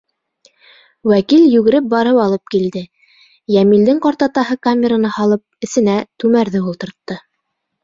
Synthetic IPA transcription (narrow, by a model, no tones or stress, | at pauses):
wækiljʉɡɘ̆ɾɘp̚bɑɾɤwɑlˠɤp̚kild̪ɘ | jæmild̪ɘŋqɑɾt̪ɑt̪ɑɦɤkamʲeɾanɑhɑlˠɤp̚ɘ̆θɘ̆næt̪ʉmæɾðɘulˠt̪ɤ̆ɾt̪ːɤ